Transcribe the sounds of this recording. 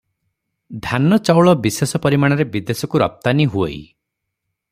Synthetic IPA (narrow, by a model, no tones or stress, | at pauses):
d̪ʱanɔt͡ʃawɭɔbisesɔpɔɾimaɽ̃ɔɾebid̪esɔkuɾɔ̰p̚t̪aniɦueḭ